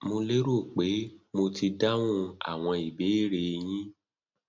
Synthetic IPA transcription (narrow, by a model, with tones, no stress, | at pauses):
mo˧le˦ɾo˦˨k͡pe˨˦mo˧ti˧da˦wũ˦a̰˨w̃ɔ̃˧i˨be˨˦i˦˨ɾe˧j̃ĩ˦